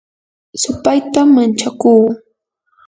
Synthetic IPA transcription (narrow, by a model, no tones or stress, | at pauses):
sʊpajt̪amːant͡ʃakuː